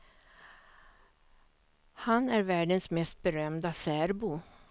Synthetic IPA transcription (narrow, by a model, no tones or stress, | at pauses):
hanæɾvæːɖənsmɛst̪̚bɛɾœmd̪asæːɾbu